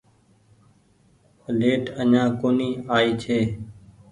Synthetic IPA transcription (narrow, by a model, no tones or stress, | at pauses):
leːʈəɲãːkoːniːaːiːt͡ʃʰeː